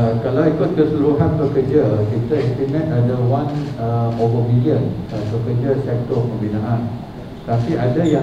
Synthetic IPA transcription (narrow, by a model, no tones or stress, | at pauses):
kalawikʊt̪̚kəsəlɾuɦanpəkərd͡ʒakit̪aint̪inɛ̃t̪adawanəovəmiliənəpəkəd͡ʒasɛk̚t̪ɔpəmbinãʔan | t̪apiʔadaja